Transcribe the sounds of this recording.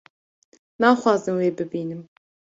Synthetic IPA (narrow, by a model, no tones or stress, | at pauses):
naːxʷwɑːzɨmweːbɨbiːnɨm